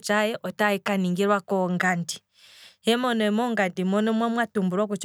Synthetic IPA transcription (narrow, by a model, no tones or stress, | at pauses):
t͡ʃajɛʔɔtaikaniŋɡiɾwakɔŋɡanti̥ | hɛmɔnɔɛmɔŋɡantimɔnɔmwamwatumbuɾɔkut͡ʃ